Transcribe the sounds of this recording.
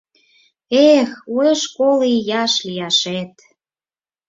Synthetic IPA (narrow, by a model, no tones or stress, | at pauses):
exueʃkolijɑʃliɑʃet̪